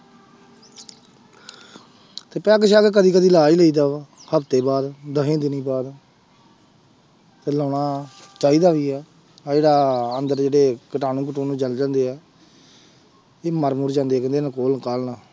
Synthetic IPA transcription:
t̪eːpɛːkəʃaːkːk̬əd̪iːk̬əd̪iːlaːiːləiːd̪aːʋ | həpt̪eːbaːd̪d̪əɦẽːd̪ɪniːbaːd̪ | t̪eːlɔːɳaːt͡ʃaːiːd̪aːʋiːɛː | d͡ʒeːɽaːənd̪əɾd͡ʒeːɽeːkəʈaːnũːk̬əʈoːnũːd͡ʒəld͡ʒãːnd̪eːɛː | eːməɾmuːɾd͡ʒãːnd̪eːkə̃nd̪eːnãːkoːlkaːlnaː

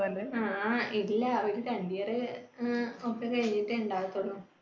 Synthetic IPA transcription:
ɐlɐɨaːilːɐoɾuɾɐɳɖijɐrɨ | okːekɐɻiɲːiʈːɨuɳɖaːt̪ːoɳːu

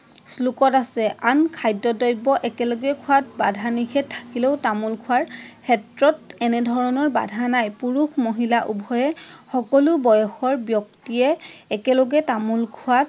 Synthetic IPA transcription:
slukɔtasɛʔankʰajdɔdɔjbɔʔɛkɛlɔɡɛkʰʊat̚badʱanikʰɛtʰːḁkilɛʊtamulkʰʊaɹkʰɛtɹɔtɛnɛdʱɔɹɔnɔɹba̰dʱanajpuɹuxmɔɦilaʔubʱɔjɛxɔkɔlubɔjɔxɔɹbjɔk̚tiɛːkɛlɔɡɛtamulkʰuat̚

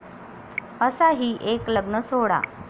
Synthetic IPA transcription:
əsaɦiːʔekləɡnəsoɽa̰

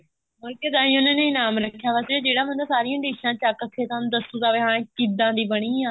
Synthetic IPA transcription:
mʊlkeːd̪aːĩːʊnãːnẽiːnaːmɾəkʰːjaːʋaseːd͡ʒeːɽaːmə̃nd̪aːsaːɾɪjãːɖiːʃãːt͡ʃakək̪ʰːeːt̪ãnd̪əsũːd̪aːʋeɦãːkiːd̪ãːd̪iːbəɽ̃iːãː

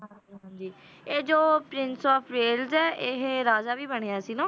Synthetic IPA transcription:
ɦãːd͡ʒiː | eːd͡ʒoːpɾɪnsɔːpʰɾeːlzɛːʔɪɦɾaːzaːʋiːbəɽ̃eːaːsiːnõː

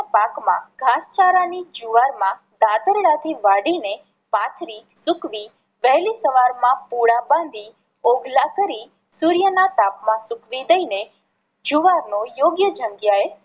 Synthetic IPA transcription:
apakmã̰ɡʱast͡ʃaɾanid͡ʒuʋaɾmã | d̪ad̪əɾɽat̪ʰiʋaɽine | pat̪ʰɾisʊkʋi | ʋɛɦlisəʋaɾmãpuɽabãnd̪ʱi | oɡlakəɾi | suɾjənat̪apmãsʊkʋid̪əine | d͡ʒuʋaɾnojoɡjəd͡ʒʱəŋɡjae

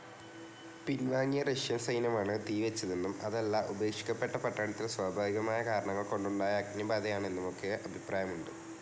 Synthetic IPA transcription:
pinʋaːŋːijɐreʂjɐnsɐjnɐmaːɳɨt̪iːʋɐt͡ɕːɐðenːumɐðelːaʔube̞ːkʂi̥kʲːɐpːe̞ʈːɐpɐʈːaːɳɐt̪ːilswaːbʱaːʋiɣɐmaːjɐkaːɾɐɳɐŋːɐɭko̞ɳɖuɭɖaːjɐɐknɐbaːd̪ɐjaːɳenːumo̞kːe̞ʔɐbʱipraːjɐmuɳɖɨ

